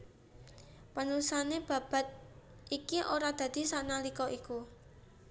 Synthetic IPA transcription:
pənulusaneb̥ä̤b̥a̤t̪̚ikiʔoɾad̪̥ä̤d̪̥i̤saʔnalikɔʔiku

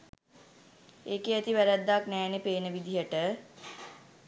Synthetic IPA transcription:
eːkeat̪iʋæɾæd̪ːaknɛːnepeːnəʋid̪ʱijəʈə

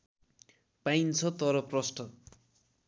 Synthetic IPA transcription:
pajnt͡sʰʌt̪ʌɾʌprʌsʈʌ

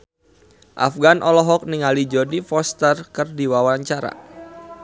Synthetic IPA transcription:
ʔa̰fɡanʔɔlɔɦɔk̚niŋalid͡ʒɔdifɔst̪ərkɨrdiwawaɲt͡ʃaɾa̰

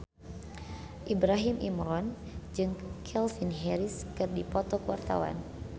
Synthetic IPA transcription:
ʔibɾaɦimʔḭmɾɔn | d͡ʒɨŋkʰɛlfinɦɛɾiskɨrdipɔt̪ɔkuwart̪a̰wa̰n

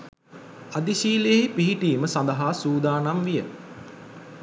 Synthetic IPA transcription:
ad̪iʃiːlejeipiɦiʈiːməsand̪əɦaːsuːd̪aːnamʋijə̰

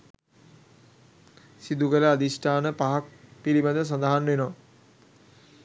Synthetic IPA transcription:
sid̪ukələad̪isʈaːnəpaɦak̚pilibad̪əs̬and̪aɦanʋenɔa

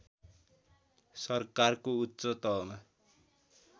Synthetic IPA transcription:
sʌrkarkoutːsʌt̪ʌɦma

